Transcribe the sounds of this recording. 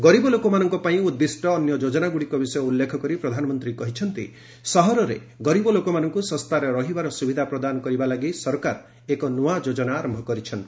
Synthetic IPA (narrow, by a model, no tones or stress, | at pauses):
ɡɔɾibɔlokɔmanɔŋkɔpaĩud̪ːisʈɔːnjɔd͡ʒod͡ʒɔnaɡuɽikɔbisɔjɔulːekʰɔkɔɾipɾɔd̪ʱanɔmɔnt̪ɾikɔɦit͡ʃʰɔnt̪ḭ | sɔɦɔɾɔɾḛ | ɡɔɾibɔlokɔmanɔŋkusɔ̃st̪ʰaɾeɾɔɦibaɾɔsubid̪ʱapɾɔd̪anɔkɔɾibalaɡisɔɾkaɾ | ekɔnuad͡ʒod͡ʒɔnaːɾɔmbʱɔkɔɾit͡ʃʰɔn